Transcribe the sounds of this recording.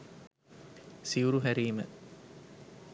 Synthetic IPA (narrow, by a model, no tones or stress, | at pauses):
siuɾuɦæɾiːmə̰